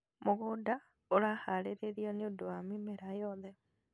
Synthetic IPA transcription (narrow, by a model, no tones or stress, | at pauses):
moɣoda | oɾaːhaɾeɾeɾiɔneodoamimeɾajɔðɛ